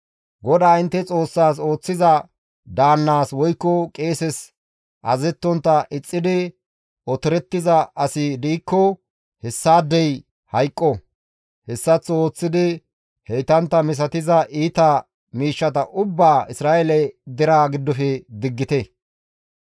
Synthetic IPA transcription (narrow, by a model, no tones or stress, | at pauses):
ɡɔd̪aːɪnt̪ːɛt͡sʼo̞ːsːaːs̬o̞ːt͡sːɪzɐ | d̪aːnːaːswɔjkːɔkʼe̞ːsɛs | ʔɐzɛt̪ːɔnt̪ːɐʔɪt͡sʼːɪd̪ɪ | ʔɔt̪ɪɾɛt̪ːɪzɐʔɐsɪd̪iːkːɔ | hɛsːaːd̪ːɛj | hɐjkʼːɔ | hɛsːɐt͡sːo̞ːt͡sːɪd̪ɪ | hɛjt̪ɐnt̪ːɐmɪs̬ɐt̪ɪzɐʔiːt̪ɐ | miːʃːɐt̪ɐʔʊbːaːʔɪsɾaːʔɛlɛd̪ɪɾaːɡɪd̪ːɔfɛd̪ɪɡːɪt̪ɛ